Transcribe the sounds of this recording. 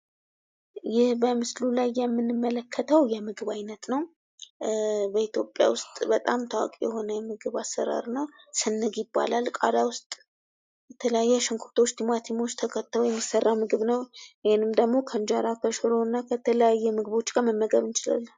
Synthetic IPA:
jɪhbəmɨslulajːɛmːɨnːɨmːələkʰːət̪ʰəwjɛmɨɡɨβajnət̪nəw | bəit̪ʰjo̞pʼja̰wʊst̪ʼbət̪ʼamt̪ʰawa̰kʼijɛho̞nəjɛmɨɡɨβasːə̰ɾa̰ɾnəwsɨnːɨɡjɪbːa̰lalkʼa̰d̪awʊst̪ʼ | jɛt̪ʰələjajːɛʃɨŋkʰuɾt̪ʰo̞t͡ʃːt̪ʰimat̪ʰimo̞t͡ʃːt̪ʰəkʰət̪ʰːəlojɛmːisːərːamɨɡɨβnəwihenɨmd̪əɡmo̞kʰənd͡ʒaɾakʰəʃɨɾo̞ɨnːakʰət̪ʰələjajːɛmɨɡɨβo̞t͡ʃːɡaməmːəɡəβɨnt͡ʃɪla̰lːə

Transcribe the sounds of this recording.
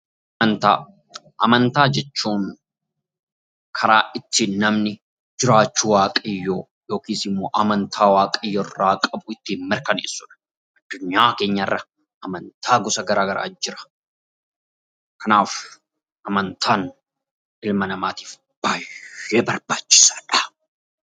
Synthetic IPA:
ɐɐnt̪a̰ː | ʔɐmɐnt̪aːd͡ʒɛt͡ʃːuːn | kʰɐɾaːʔɪt̪ːiːnːɐmnɪ | d͡ʒɪɾaːt͡ʃːuːwaːkʼɪjːoː | jo̞ːkiːsɪmːoːʔɐmɐnt̪ʰaːwaːkʼɪjːɔrːaːkʼɐbʊɪt̪ːɪhɪnmːɪɾkɐnḛːsːʊᶑɐ̥ | ʔɐd̪̥ːʊɲːaːke̞ːɲːɐɪrːɐ | ʔɐmɐnt̪ʰaːɡʊsɐɡɐɾaːɡɐɾʔa̰ːd͡ʒːɪɾɐ̥ | kʰɐnaːf | ʔɐmɐnt̪ʰaːn | ʔɪlmɐnɐmaːt̪i̥ːf | b̥aːjeːbɐɾb̥aːt͡ʃːɪ̥sḁːᶑɐ̥

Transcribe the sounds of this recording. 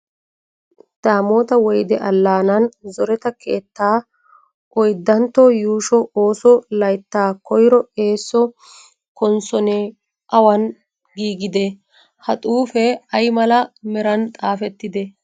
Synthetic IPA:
d̪̥aːmoːt̪ɐwɔjd̪ɛʔɐlːaːnɐnzɔɾɛt̪ɐkʰe̞ːt̪ːaː | ʔɔjd̪ːɐnt̪ːɔjuːʃɔoːsɔlɐjt̪ːaːkɔjɾɔe̞ːsːɔ | kɔnsɔne | ʔɐwɐn | ɡiːɡɪd̪ɛ | hɐt̪ʼuːfɛɐjmɐlɐmɛɾɐnt̪ʼaːfɛt̪ːɪd̪ɛ

